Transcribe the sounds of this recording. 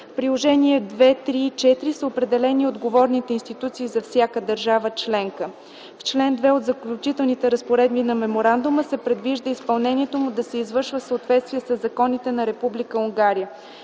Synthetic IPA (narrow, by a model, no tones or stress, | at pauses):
fpɾilˠoʒɛniɛd̪vɛt̪ɾit͡ʃɛt̪ɾisəopɾɛd̪ɛlɛniod̪ɡovɔɾnit̪ɛinst̪it̪ut̪siːzɐfsʲjakəd̪əɾʒavət͡ʃlɛŋkə | ft͡ʃlɛnd̪vɛod̪zɐklʲut͡ʃit̪ɛlˠnit̪ɛɾəspoɾɛd̪̚binɐmɛmoɾand̪uməsɛpɾɛd̪viʒd̪əispɐlˠnɛniɛt̪omud̪ɐsɛizvɤɾʃvəfsəot̪vɛt̪st̪viɛsəzːɐkɔnit̪ɛnɐɾɛpublikəuŋɡaɾijə